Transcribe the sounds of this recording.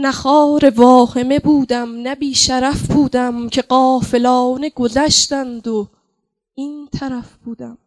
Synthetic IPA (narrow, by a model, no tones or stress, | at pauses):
næxɒːɾe̞vɒːhe̞me̞buːd̪æmnæbiːʃæɾæfbuːd̪æmcʰe̞ɢɒːfe̞lɒːne̞ɡo̞zæʃd̪ænd̪o | iːnt̪ʰæɾæfb̥uːd̪æm